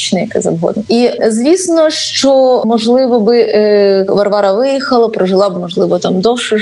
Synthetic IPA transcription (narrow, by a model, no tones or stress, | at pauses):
t͡ʃnɪjɐkɛ̰zɐbɦɔ̰d̪nizʋʲisnɔʂt͡ʃɔmɔʒlˠɪʋɔbɪ | ʋɐrʋɑɾɐʋɪjixɐlˠɐpɾɔʒɪlˠɑbmɔʒlˠɪʋɔt̪ɑmd̪ɔwʃʊ